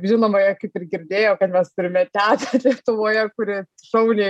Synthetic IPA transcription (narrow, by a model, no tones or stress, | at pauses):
ʒʲɪnoːmɐjɛkɐɪpɪɾɡʲɪɾʲd̪ʲeːjoːkɐt̪mʲɛst̪ʊɾʲɪmʲɛt̪ʲæːd̪ɐlʲiɛt̪ʊʋoːjɛkʊɾʲeː | ʃɐʊnʲeː